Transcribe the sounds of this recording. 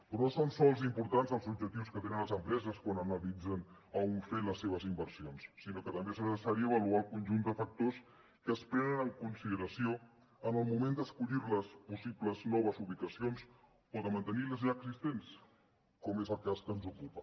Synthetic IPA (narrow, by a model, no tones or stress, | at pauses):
pɾosonsɔlˠzimpuɾt̪anzəlˠzub̚d͡ʒək̚t̪iwskət̪enənləzəmpɾɛzəskwanənəlid͡zənəuɱfenləsːeβ̞əzimbəɾsionsːinokət̪əmbeznəsəsaɾiəβəlualˠkunʒund̪əfək̚t̪os | kəːspɾɛnənəŋkunsiðəɾəsio | ənəlˠmumend̪əskuʎiɾləspusipləznɔβ̞əzuβlikəsions | oðəmənt̪əniləzʎaəɡzist̪ens | kɔmezəlˠkaskənzukupə